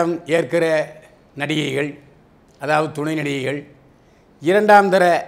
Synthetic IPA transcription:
ɐmeːrkɪrɐ | nɐɽɪjɐɪɣɐɭ | ɐðaːʋɐðɯt̪ʊɳɐɪnɐɽɪjɐɪɣɐɭ | ɪɾɐɳɖaːmd̪ɐɾɐ

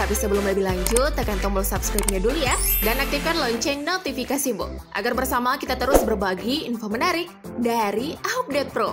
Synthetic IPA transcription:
t̪apisəbəlʊmləbɪhlaɲd͡ʒʊt̪̚akant̪ɔmbɔlsapskɾap̚ɲadulujadanak̚t̪ikanlɔɲt͡ʃɛɲnɔt̪ifikasimbɔ̰ʔa̰ɡarbərsamakit̪at̪əɾʊsbərbaɡiinfomənaɾɪk̚daɾiap̚dɛt̪̚pɾo

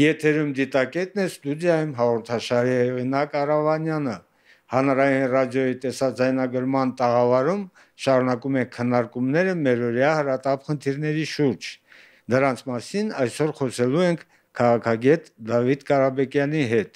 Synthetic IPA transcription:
jɛt̪ʰɛɾumd̪it̪ɑkɛt̪̚nɛst̪ud̪jɑjumɦɑʁɔɾt̪ʰɑʃɑɾihɛʁinɑkɑrɑvɑnjɑnə | hɑnɾɑjinrɑd̪jɔjit̪ɛsɑd͡zɑjnɑɡəɾmɑnt̪ɑʁɑvɑɾum | ʃɑɾunɑkumɛkʰənːɑɾkumnɛɾəmɛɾɔɾjɑhəɾɑt̪ɑpχənt̪ʰiɾnɛɾiʃuɾd͡ʒ | d̪əɾɑnt͡sʰmɑsinɑjsɔɾχɔsʰɛluɛŋkʰ | kʰːɑʁɑkʰɑɡɛt̪d̪ɑvid̪kɑɾɑbɛkjɑn̪iɦɛt̪

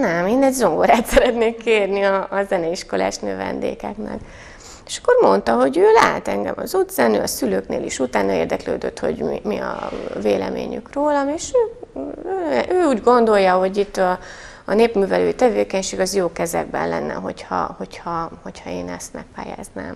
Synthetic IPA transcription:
nɛmeːnɛɟzo̞ŋɡoɾaːt̪sɛɾɛt̪neːkːeːrniɒːzɛnɛiʃko̞la̰ːʃnøːvɛ̰nd̪ḛːkɛknɛ̰k | eːʃɒ̥kːo̞rmo̞nt̪ɒɦo̞ɟøːlaːɦɛt̪ɛŋɡɛ̰mɒzud̪zɛnøːɒsyløːknḛːliʃut̪aːnɒeːrd̪ɛklø̰ːd̪øt̪ho̞̰ɟmimiɒ̰veːlɛ̰mḛːɲykroːlɒmeːʃøːøʔøːuːɟɡo̞nd̪o̞jːɒɦo̞ɟit̪ːɒː | neːpmyːvɛløːjit̪ɛveːkɛɲʃeːɡɒzjoːkɛzɛɡ̚bɛnlɛnːɛ̰ɦo̞chɒ̰ho̞chɒho̞chɒeːnɛst̪mɛk̚paːja̰ːzna̰ːm

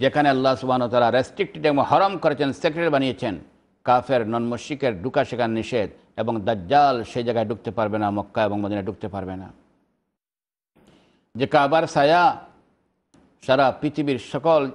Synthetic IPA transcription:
d͡ʑekʰaneɐlːasubʱanot̪alɾaɾesʈɾik̚ʈiʈebohɔɾomkoɾet͡ɕʰensekɾeʈbanijet͡ɕʰen | kafʰeɾnɔnmoʃikeɾɖukaʃekʰanːiʃed̪ | eboŋd̪aːalʃejd͡ʑaɡaeɖuk̚t̪epaɾbenamɔkːaeboŋmod̪ʱineɖuk̚t̪epaɾbena̰ | d͡ʑekabaɾsaja | ʃaɾapɾit̪ʰibiɾʃɔkol

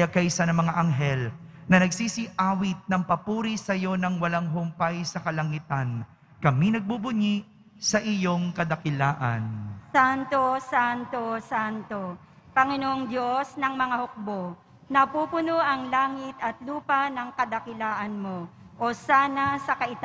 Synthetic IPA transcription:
jakɐjsɐnɐŋmɐŋaʔɐŋɦɛlnɐnɐɡsiːsiʔaːwɪt̪̚nɐŋpɐpuːɾisɐjo̞nɐŋwɐlaŋɦʊmpajsɐkɐlɐŋit̪ɐn | kɐminɐɡ̚bubʊɲiʔ | sɐʔɪjo̞ŋkɐd̪ɐkɪlaːʔɐ̰nsant̪osant̪osant̪o | pɐŋɪnoʔoŋd̪josnɐŋmɐŋahok̚bo̞ | nɐpuːpʊnoʔɐŋlaːŋɪt̪ɐt̪luːpɐnɐŋkɐd̪ɐkɪlaːʔɐnmoʔosaːnɐsɐkɐʔɪt̪a

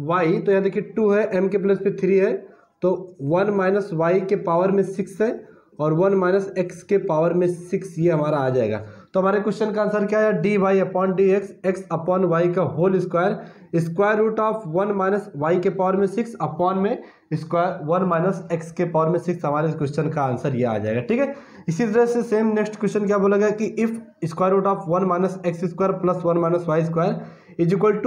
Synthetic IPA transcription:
ʋaːit̪ojɐɦãd̪ekʰieʈuɦɛʔɛmkep̬lɐspet̪ʰɾiːɦɛ | t̪oʋɐnmaːɪnəsʋaːikepaːʋəɾmẽsɪksɦɛ̃ | ɔːɾʋɐnmaːɪnəsekskepaːʋəɾmẽsɪksjeɦɐmaːɾaːd͡ʒaːḛːɡa̰ːt̪oɦɐmaːɾekʊʃʃənkaːnsəɾkjaːɦɛaɖiːʋaːiɐpɔːnɖiekseksɐpɔːnʋaːikaɦoːlɪskwaːjəɾ | ɪskwaːjəɾːuːʈaːpʰʋɐnmaːɪnəsʋaːikepaːəɾmẽsɪksɐpɔːnmẽ | ɪskwaːjəɾʋɐnmaːɪnəsekskepaːɾmẽsɪksɦɐmaːɾekɪsʈənkaaːnsəɾjea̰ːd͡ʒa̰ːḛɡaʈʰiːkɦɛ | ɪsit̪ɐɾəseseːmneksʈkwesʈənk̬jaːboːlɐɡakiʔɪpʰ | ɪskwaːjəɾuːʈaːpʰʋɐnmaːɪnəseksɪskwaːjəɾplɐsʋɐnmaːɪnəsʋaːiɪskwaːjəɾ | ɪd͡ʒɪkəlʈ

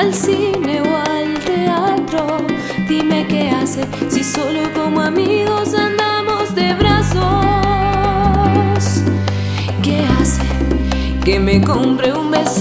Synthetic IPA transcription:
lsineoalt̪eat̪ɾo | ðime̞keasesiso̞loko̞moamiɣo̞sand̪amozd̪eβɾaso | s | kease | kemekompɾeumbes

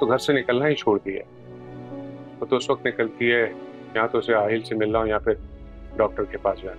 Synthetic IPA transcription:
t̪oɡʱɐɾsenɪkəlnaɦit͡ʃʰoːɽd̪iɦɛ̰ː | ɔɾt̪oʊsʋɐk̚t̪nɪkəlt̪iɦɛ | jɐɦãt̪oʊseaːɦɪlsemɪlːaːõjɐɦãːpɪɾ | ɖɔːk̚ʈəɾkepaːsd͡ʒaːna

